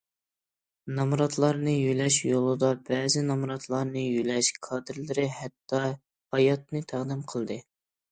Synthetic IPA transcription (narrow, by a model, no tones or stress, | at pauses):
nɑmɾɑt̪lˠɑɾnɨjylɛʃjolˠɨd̪ɑbɛːzɪnɑmɾɑt̪ʰlˠɑɾnɨjylɛʃkʰɑd̪ɪɾlɪɾɪhɛt̪ːɑ | hɑjɑt̪̚nɨt̪ʰæʁd̪ɪmqʰəlˠd̪ɨ